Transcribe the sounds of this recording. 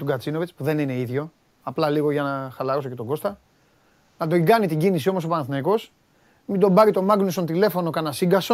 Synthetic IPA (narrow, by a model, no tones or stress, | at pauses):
t̪uɡɐt͡sino̞vit͡spuðe̞nine̞iðʝo̞ | ɐplɐliɣo̞ʝɐnɐxɐlɐɾoso̞cet̪o̞ɡo̞st̪ɐ | nɐd̪oiɡɐnit̪iɟinisio̞moso̞pɐnɐθnɐiko̞s | mind̪o̞mbɐɾit̪o̞mɐɡnusont̪ile̞fo̞no̞kɐnɐsiɡɐso